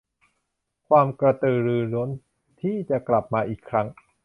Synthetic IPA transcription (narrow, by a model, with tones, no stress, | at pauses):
kʰwaː˧mkɾa˧t̪ɯː˨˩ɾɯː˧ɾo˦˥n | t̪ʰiː˥˩t͡ɕa˨˩kla˨˩p̚maː˧ʔiː˨˩kʰɾa˦˥ŋ